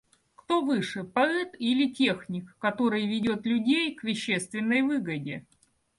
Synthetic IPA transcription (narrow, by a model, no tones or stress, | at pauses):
kt̪o̞vɨʂɨpɐɛt̪ilʲɪtʲexnʲɪkːɐt̪o̞ɾɨjvʲɪdʲo̞t̪lʲʉdʲejkvʲɪɕːe̞st̪vʲɪnːəjvɨɡədʲɪ